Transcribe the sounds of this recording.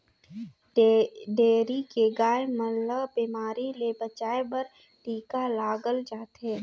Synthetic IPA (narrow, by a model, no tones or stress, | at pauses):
ɖeːɾikeɡaːjməlːəbiːmaːɾilebət͡ʃaːebɐɾ | ʈiːkalaːɡəld͡ʒaːt̪eː